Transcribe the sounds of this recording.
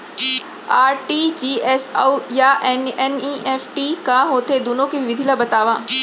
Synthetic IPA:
aːɾʈiːd͡ʒiːɛsjaʔɛnɛniʔɛːfʈikaɦoːt̪ed̪oːnõkiʋɪʋɪd̪ʱilabɐt̪aːʋãː

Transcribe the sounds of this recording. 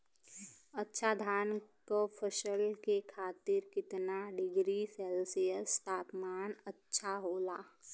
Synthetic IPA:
ɐtːʃʰad̪ʱaːnkopʰəʃəlkekʰaːt̪ɪɾkɪt̪naɖɪɡɾisɛːlsijəst̪ʰaːpmaːnɐtːʃʰaɦoːlaː

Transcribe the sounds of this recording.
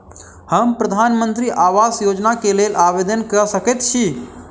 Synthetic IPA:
həmpɾəd̪ʱaːnmə̃nt̪ɾiʔaːʋaːsjoːd͡ʒnakelelʔaʋed̪ənkəsəkət̪t͡ʃʰi

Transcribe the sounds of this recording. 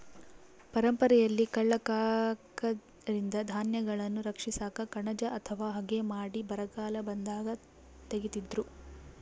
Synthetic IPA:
pɐɾɐmpɐɾɛjɐlːikɐɭːɐkaːkɐ | ɾind̪ɐd̪ʱaːnjɐɡɐɭɐnːuɾɐkʂisaːkɐkɐɳɐd͡ʒɐʔɐt̪ʰɐʋaːɦɐɡemaːɽibɐɾɐɡaːlɐbɐnd̪aːɡɐ | t̪eɡit̪id̪ɾu

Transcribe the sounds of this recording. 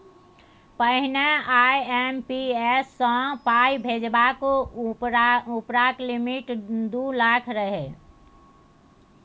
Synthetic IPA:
pəɦineajempiesːə̃pajbʱed͡ʒbak | upɾaklimiʈd̪ulakʰɾəɦe

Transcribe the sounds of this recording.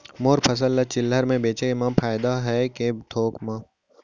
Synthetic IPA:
moːɾpʰɐs̬əlːɐt͡ʃɪlːəɾmẽbeːt͡ʃeemãpʰaːɪd̪aɦɛket̪ʰoːkmãː

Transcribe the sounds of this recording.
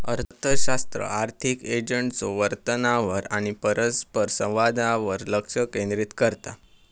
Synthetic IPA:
ə̰ɾt̪ʰəɕast̪ɾə̰aɾt̪ʰiked͡ʑəɳʈt͡soʋəɾt̪ənaʋəɾaɽ̃ipəɾəspəɾsə̃wʋad̪aʋəɾləkʂəkẽnd̪ɾit̪kəɾt̪a̰

